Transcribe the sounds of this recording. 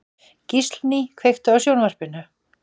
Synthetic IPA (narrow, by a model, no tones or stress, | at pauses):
cist̪lnikʰvejxt̪ʏawsjownvar̥pɪnʏ